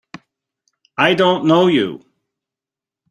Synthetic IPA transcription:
aɪdõʊ̃nːoʊjṵ

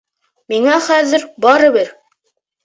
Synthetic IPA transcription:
miŋæχæðɘɾbɑɾɤ̆βɘɾ

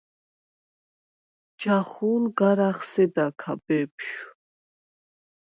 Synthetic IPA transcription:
d͡ʒaχunɡaɾaχsɛd̪akʰabɛpʃ

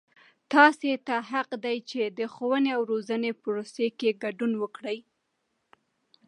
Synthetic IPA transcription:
t̪ɑset̪aɦaqd̪ajt͡ʃed̪əxowəneawɾozənepʊɾosekeɡaɖunwəkɽəj

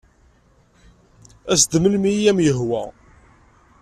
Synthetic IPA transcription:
æsd̪əməlmijæmjəɦwæ̰

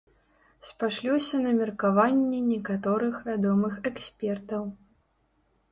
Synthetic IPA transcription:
spaʂlʲɔsʲɐnɐmʲɛrkavanʲːɛnʲɛkat̪ɔɾɨxvʲad̪ɔmɨxɛksʲpʲɛrt̪ɐw

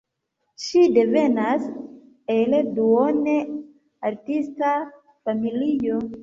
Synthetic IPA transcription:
ʃide̞ve̞nas | elduone | aɾtista | familijo

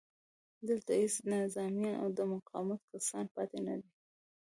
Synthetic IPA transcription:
d̪əlt̪ahesnɪzɑmjɑnʔa̰wd̪əmʊqʰɑ̰wmat̪̚kasɑnpɑt̪enad̪i

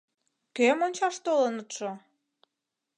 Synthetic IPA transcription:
kemonʲt͡ɕɑʃt̪olənət̪ʃo

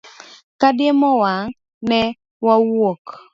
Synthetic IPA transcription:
kadɪemɔwaŋ | nɛ | wawok

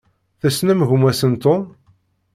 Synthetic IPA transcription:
θæsnæmʝumæsənt̪o

